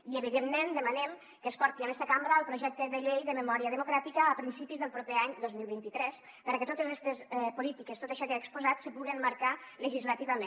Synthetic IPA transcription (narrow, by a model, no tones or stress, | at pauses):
iəβ̞iðemːend̪əmənɛm | kəːspɔɾt̪ianɛst̪əkambɾəəlˠpɾuʒɛk̚t̪əðəʎejðəməmɔɾiəðəmukɾat̪ikəːpɾinsipizðəlˠpɾopeaɲd̪ozmilˠβint̪it̪ɾɛs | pəɾəkət̪ot̪əzɛst̪əsɛpulit̪ikəst̪ot̪əʃɔkeaekspuzat̪səpuɣəmməɾkaləʒizlət̪iβəmẽn